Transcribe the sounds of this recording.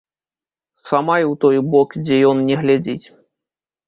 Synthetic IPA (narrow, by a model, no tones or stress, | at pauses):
samajuwt̪ɔjbɔkd͡zʲɛjɔnnʲɛɣlʲad͡zʲit͡sʲ